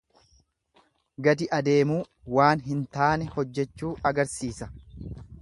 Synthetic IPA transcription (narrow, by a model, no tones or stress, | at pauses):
ɡɐd̪ɪʔɐd̪e̞ːmuː | waːnɦɪnt̪aːnɛhɔd͡ʒːɛt͡ʃːuːʔɐɡɐɾsiːsɐ̥